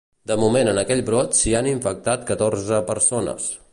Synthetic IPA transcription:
d̪əmumenənəkɛʎbɾot̪sianiɱfək̚t̪at̪̚kət̪orzəpəɾsonə̰s

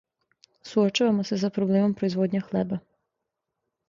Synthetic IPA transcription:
suot͡ʃaʋamo̞se̞s̬apɾobleːmo̞mpɾoizʋoːd̪ɲaxleba

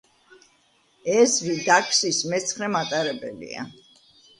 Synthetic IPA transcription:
ɛzvid̪akʰsismɛt̪sʰχɾɛmat̪ʼaɾɛbɛ̰lḭa̰

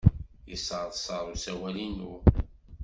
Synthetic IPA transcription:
jəsʕðˤsˤəɾˤusæwælinu

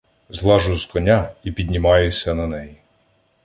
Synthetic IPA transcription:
zlˠɑʒʊzkɔnʲaipʲid̪ʲnʲimɑjʊsʲɐnɐnɛji

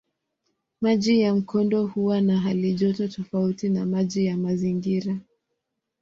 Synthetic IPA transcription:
maʄijam̩kʰɔndɔhuwanaɦaliʄɔtɔtɔfautinamaʄijamaziŋɡiɾa

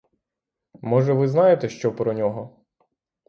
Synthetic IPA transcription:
mɔʒɛʋɪznɑjet̪ɛʃt͡ʃɔpɾɔnʲɔɦɔ

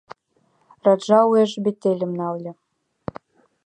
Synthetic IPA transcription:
rɑd̪ʒɑueʒbet̪ːelʲɘ̆mnɑllʲɤ̆

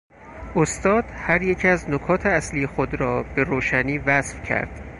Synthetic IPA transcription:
ʔost̪ɒːd̪̥hæɾje̞cʰiæznokʰɒːt̪ʰeæsliːjexod̪ɾɒːb̥e̞ɾoːʃæniːvæsfcʰæ̰ɾd̪̥

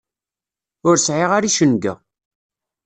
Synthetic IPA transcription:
ʊɾsʕeʁaɾiʃənɡə̰

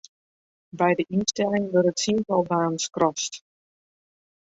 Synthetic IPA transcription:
bɛjdəʔinstɛlɪŋʋørətsinvɔlˠbaːnskrʔɔst

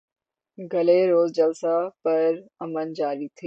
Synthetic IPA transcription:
ɡʱɐleɾoːzd͡ʑɐlsapɐɾɐmənd͡ʑaːɾit̪ʰiː

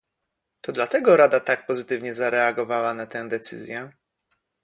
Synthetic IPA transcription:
t̪ɔd̪lat̪ɛɡɔɾad̪at̪ak̚pɔzɘt̪ɘvɲɛzaɾɛaɡɔvawanat̪ɛ̃d̪ɛt̪sɘ̰zʲjɛ

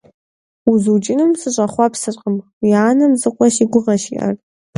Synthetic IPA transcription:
uzut͡ʃʼɪnɨmsɨɕʼɐχʷɑpsɨrqʼəmwiaːnɐmzɨqʷʼɔʃiɡʷʊʁɐʃḭʔɐ̰r

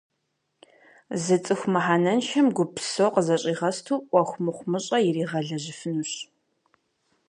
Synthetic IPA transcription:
zɨt͡sʼɨxʷmɨħaːnɐnʃɐmɡʷʊpʰsowqəzɐɕʼiːʁɐstʰuːʔʷɐxʷmɨχʷmɨɕʼɐjɪriːʁɐɮɐʑɪfɨnuːɕ

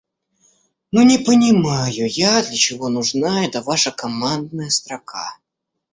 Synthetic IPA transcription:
nunʲɪpənʲɪmajʊjad̪lʲət͡ɕɪvo̞nʊʐnaɛt̪əvaʂəkɐmand̪̚nəjəst̪ɾɐkʰa̰

